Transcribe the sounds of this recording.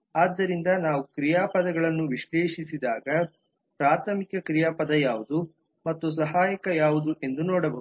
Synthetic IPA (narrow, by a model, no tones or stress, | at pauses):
aːd̪ːɐɾind̪ɐnaːʋukɾijaːpɐd̪ɐɡɐɭɐnːuʋiʃleːʂisid̪aːɡɐ | pɾaːt̪ʰɐmikɐkɾijaːpɐd̪ɐjaːʋud̪u | mɐt̪ːus̬ɐɦaːjɐkɐjaːʋud̪uʔe̞nd̪unɔːɽɐbɐɦuu